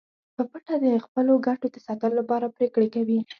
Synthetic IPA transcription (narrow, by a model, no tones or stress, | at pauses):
pəpaʈad̪əxpəloɡaʈod̪əsɑt̪əlolapɑɾapɾekɽekawi